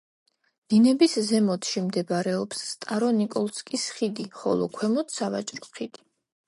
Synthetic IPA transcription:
d̪̥inɛbiszɛmɔt̪ʰʃimd̪ɛbaɾɛɔpsːt̪ʼaɾɔnikʼɔlˠskʼisχid̪iχɔ̰lˠɔ̰kʰwɛmɔt̪ʰsava̰t͡ʃʼɾɔχid̪i̥

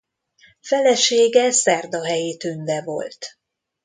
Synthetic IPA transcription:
fɛlɛʃeːɡɛsɛrd̪ɒɦɛjeːt̪ynvɛvo̞̰lt̪

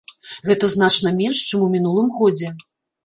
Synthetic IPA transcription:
ɣɛt̪ɐzn̪at͡ʂnɐmʲɛnʂt͡ʂɨmumʲinulˠɨmɣɔd͡zʲɛ

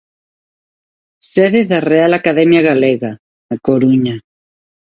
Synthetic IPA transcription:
seðeðarealakaðemjaɣaleɣa | akoɾuɲa

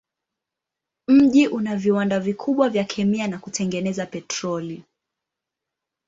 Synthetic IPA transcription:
m̩ʄiʔunaviwandavikʰuɓwavjakʰɛmianakutʰɛŋɡɛnɛzapɛtɾɔli

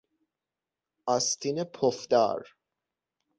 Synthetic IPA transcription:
ast̪ʰinepʰofd̪a̰ɾ

